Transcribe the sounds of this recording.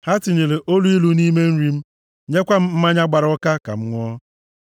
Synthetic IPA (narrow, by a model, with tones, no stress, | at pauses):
ha˦tɪ˨ɲe˨le˨ʔo˦lu˦i˦lu˨ni˦me˦n̩˦ɾi˦m̩˦ | ɲe˦kʷa˦m̩˦m̩˦ma˦ɲa˦ɡ͡ba˨ɾɔ˦ka˦ka̰˨m̩˦ŋʷɔ˦